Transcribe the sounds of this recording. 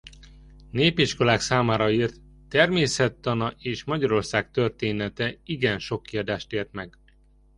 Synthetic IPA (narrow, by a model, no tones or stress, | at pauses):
neːpiʃko̞laːksaːmaːɾɒiːrt̪ː | ɛrmeːsɛt̪ːɒnɒʔeːʃmɒɟɒɾo̞rsaːk̚t̪ørt̪eːnɛt̪ɛiɡɛnʃo̞kːiɒd̪aːʃt̪eːrt̪mɛɡ